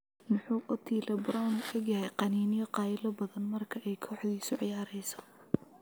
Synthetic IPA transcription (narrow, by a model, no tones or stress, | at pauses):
mʊħuːʔɔt̪ʰiːlɐbɾɔnɐɡjɐhɛjqɑniːnɪjɔqɑːjɪlɔbɐðɐnmɐrkʰɐʔɛjkʰɔːħd̪iːsʊʕɪjaːɾɛjsɔ̥